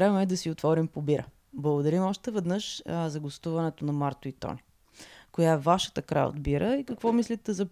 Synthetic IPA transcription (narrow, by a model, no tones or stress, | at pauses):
ɾɛvmɛd̪ɐsiot̪vɔɾimpobiɾə̰ | blˠəɡod̪ɐɾimɔʃt̪ɛvɛd̪nəʃzɐɡost̪uvɐnɛt̪onɐmaɾt̪oit̪ɔ̰ni | kojavaʃə̥t̪əkɾa̰jo̰d̪biɾəikɐkvɔmislit̪ɛzɐ